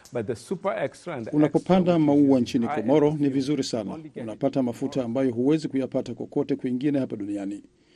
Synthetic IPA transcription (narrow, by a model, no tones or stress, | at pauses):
bat̚ðəsupə˞ɛkstɹãndunapɔpandamauant͡ʃinikɔmɔɾɔnivizuɾisana̰unapatamafutaːmbajɔɦuwɛzikujapatakwa̰kɔtɛkwiŋɡinɛhapaɗuniani